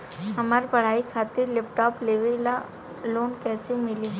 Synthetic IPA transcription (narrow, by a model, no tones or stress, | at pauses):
ɦɐmaːɾpɐɽ̤aːikʰaːt̪ɪɾlɛp̚ʈɔːpleːʋe | loːnkɛːsemɪli